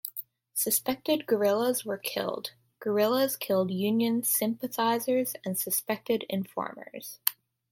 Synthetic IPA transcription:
sɨspɛk̚tɨd̚ɡə˞ɪlˠəzwə˞kʰɪ̰lˠd | ɡ̥ə˞ɪlˠəz̥kʰɪlˠdjʉ̃njɨ̃nsɪ̃mpɨθaɪzə˞zɨ̃nsɨspɛk̚tɨɾɪ̰̃ɱfɔ̰ɹmə̰˞z̥

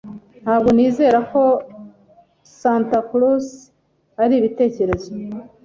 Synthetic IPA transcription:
n̥haːbɡo̞niːze̞ːɾako̞ | saːntaklus | aɾiːβite̞ːce̞ɾe̞zo

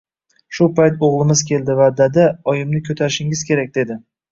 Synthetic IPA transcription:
ʃʊpʰajt̪oʁlˠɪmɪzkʲʰe̞ld̪ɪvad̪ad̪aɒjɪmnɪkʲʰɵt̪ʰaɾɪʃɪŋɪzkʲʰe̞ɾak̚ʲd̪e̞d̪ɪ

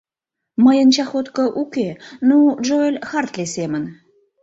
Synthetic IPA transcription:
məjənt͡ɕɑxot̪kə̆ʔukenuʒoəlʲxɑrt̪lesemən

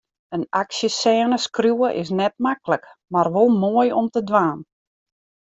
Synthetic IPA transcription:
ənaksjəsɛːnəskrjuəʔɪ̰s̬nɛt̚makləkmarʋolˠmoːəjɔmtədʋaːn

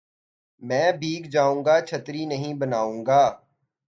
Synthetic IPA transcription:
mɛ̃ːbʱiːɡd͡ʒaːũːŋɡat͡ʃʰət̪ɾinəɦĩbənaːũːŋɡaː

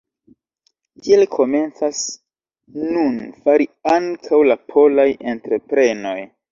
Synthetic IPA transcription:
kielkʰo̞me̞nt͡sas | nunfaɾiaŋkʰawlapʰo̞laje̞ntɾe̞pɾe̞no̞j

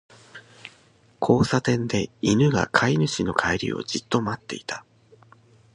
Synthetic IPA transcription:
kʰo̞ːsat̪ẽ̞nd̪e̞inɯ̟ɡa̰kʰainɯ̟ɕino̞kʰaiɾʲḭo̞̰d͡ʑit̪ːo̞mat̪ːe̞̰it̪ḁ

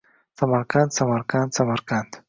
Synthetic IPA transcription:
samaɾkant̪samaɾkant̪samaɾkand̪

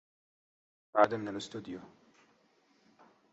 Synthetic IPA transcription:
baʕd̪amɪnalʔɪst̪uːd̪ɪju

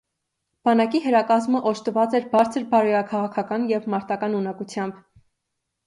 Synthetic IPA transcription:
b̥ɑnɑkiɦəɾɑkɑzməʔɔʃt̪əvɑt͡sɛɾbɑɾt͡sʰəɾbɑɾujɑkʰɑʁɑkʰɑkɑnjɛvmɑɾt̪ɑkɑnunɑkut͡sʰjɑmb

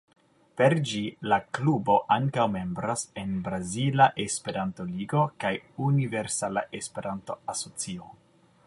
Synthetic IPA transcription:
pe̞ɾd͡ʒilaklubo̞ʔaŋkawme̞mbɾase̞nbɾazilaʔespe̞ɾanto̞liɡo̞kajunive̞ɾsalaʔespe̞ɾanto̞aso̞t͡sio

